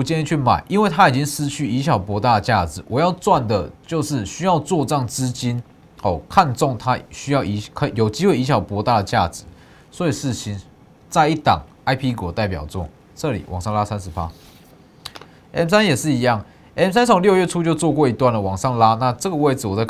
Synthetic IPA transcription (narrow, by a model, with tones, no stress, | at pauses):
t͡ɕjɛ˥ni˥˧t͡ɕʰy˥˩ma̰˨˩˦ɪʔi˥nwe˥˩ɪt̪ʰa˦˥i˨˩t͡ɕi˦˥ŋʂɻ̩˥t͡ɕʰy˥˩i˧˥ɕ̬jɑ˨˩ʊpwɔ˧˥t̪a˥˩d̪ə˩t͡ɕja˥˩t͡sɹ̩˨˩wʔɔ˨˩jɑ˥˧ʊt͡swa˥˩nd̪ə˩t͡ɕjo˥˧ʊʂɻ̩˥˩ɕy˥jɑ˥˧ʊt͡swɔ˥˧t͡sɤ˥jŋt͡sɹ̩˦˥t͡ɕi˦˥n | ɔ˥˨˩kʰa˥˧nt͡sɔ˥˩ŋt̪ʰa˦˥ɕy˥jɑ˥˩ʊi˧˥kʰə˧˩jo˨˩ʊt͡ɕi˥xwe˥ɪi˧˥ɕjɑ˨˩ʊpwɔ˧˦˥t̪a˥˩d̪ə˩t͡ɕja˥˩t͡sɹ̩˨˩˦ | swɔ˧˥i˨˩ʂɻ̩˥˨ɕi˧˦n | t͡sa˥˧ɪi˥˩t̪ɑ̰˨˩ŋ | a˥ɪpʰi˥kwɔ˨˩t̪a˥˩ɪpjɑ˨˩ʊt͡swɔ̰˥˩ | t͡sɤ˥˨lḭ˨˩wʔɑ˨˩ŋʂɑ˥˧ŋla˦˥sa˦nʂ̩˧˥pa˦ | ɛ˨˥msa˦njɛ˨˩ʂɻ̩˥˩i˧˦jɑ˥˩ŋ | ɛ˨˥msa˦˥nsʰo˨˩ŋljɥɛ˥˨ʈ͡ʂʰu˥t͡ɕjo˥˧ʊt͡swkwɔ˥˩i˧˥t̪wa˥˨˩nlə˩wɑ˨˩ŋʂɑ˥˧ŋla˥na˥˧t͡sɤ˥˨ɡə˩we˥˩ɪd͡zɹ̩˨wɔ˨˩t͡sa˥˧ɪ